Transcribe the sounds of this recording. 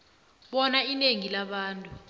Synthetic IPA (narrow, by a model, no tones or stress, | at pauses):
ɓɔnaineŋilaɓaːntʼu